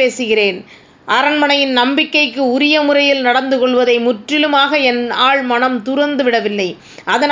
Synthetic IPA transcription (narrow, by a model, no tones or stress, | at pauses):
eːsɯɣɪreːn | ʔɐɾɐnmɐnɐjɪnnɐmbɪkːɐɪkːɯʊɾɪjɐmʊrɐjɪlnɐɽɐnd̪ɯkɔɭʋɐðɐɪmʊʈrɪlɯmaːɣɐɛnaːɭmɐnɐmt̪ʊɾɐnd̪ɯʋɪɽɐʋɪlːɐɪ | ʔɐðɐn